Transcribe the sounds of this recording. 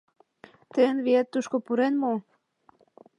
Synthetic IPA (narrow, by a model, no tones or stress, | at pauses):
t̪ejənβiet̪ːuʃkopuɾenmo